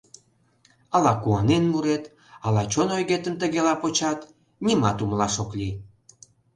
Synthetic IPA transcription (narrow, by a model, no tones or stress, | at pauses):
ɑlɑkuɑnenmuɾet̪ | ɑlɑt͡ɕonojɣet̪əmt̪əɣelɑpot͡ɕɑt̪ | nʲimɑt̪umlɑʃokli